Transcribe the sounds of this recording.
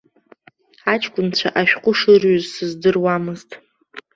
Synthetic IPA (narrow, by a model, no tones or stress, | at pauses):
at͡ʃʼʰkʷʼʊnt͡ɕʷʰaʔaʃᶣqʷʼʊʂɨrɥʏzsɨzdɨrwamɨztʼ